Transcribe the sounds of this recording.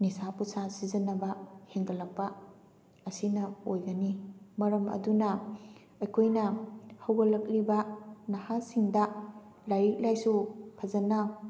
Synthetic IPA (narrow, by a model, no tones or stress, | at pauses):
nisapusasizɐnɐbɐheŋɡɐlɐk̚pɐ | ɐsinɐojɡɐnimɐɾɐmɐ̰dunɐ | ɐjkʰojnɐhɐwɡɐlɐk̚libɐnɐhasiŋdɐ | lajɾik̚lajsupʰɐzɐnɐ